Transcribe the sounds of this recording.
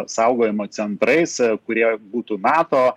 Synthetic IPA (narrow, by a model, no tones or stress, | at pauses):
sɐʊɡoːjɪmoːsʲɛnt̪ɾɐɪskʊɾʲiɛbuːt̪uːnɑːt̪oː